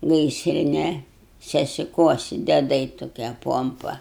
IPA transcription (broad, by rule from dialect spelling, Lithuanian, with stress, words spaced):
ˈɡɐɪsʲrʲɪnʲɛ sʲɛsʲɪˈkuɔsʲɪ dʲɛˈdɐɪ toːˈkʲiɛ ˈpoːmpɐ